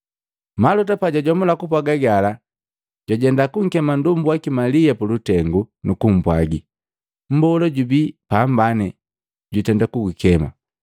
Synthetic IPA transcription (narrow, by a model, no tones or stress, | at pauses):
malɔt̬apaɟaɟɔmulakupwaɡaɡala | ɟaɟɛndakuŋ̩kɛmandumbwakimalijapulutɛŋɡunukum̩bwaɡi | m̩bɔlɔɟubipaːmbanɛ | ɟutɛndakuɡukɛma̰